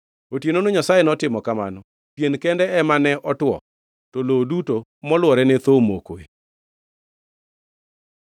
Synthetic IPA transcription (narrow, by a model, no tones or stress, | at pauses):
otjenonoɲasajenɔtɪmɔkama̰nɔ | pjenkɛndɛɛmanɛʔɔtwɔ̰ | tɔlodutomɔlwɔɾɛnɛt̪omo̰koe